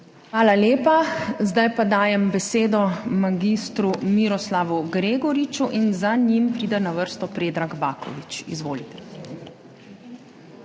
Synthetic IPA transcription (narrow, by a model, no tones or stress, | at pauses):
xʋaːlaljeːpazd̪ajpad̪aːjɛmbɛseːd̪ɔmaɡist̪ɾumiɾɔslaʋuɡɾeːɡɔɾit͡ʃuʔinzaɲimpɾiːd̪ɛnaʋəɾst̪ɔpɾeːd̪ɾaɡbaːkɔ̰ʋit͡ʃḭzʋoːlit̪ɛ̥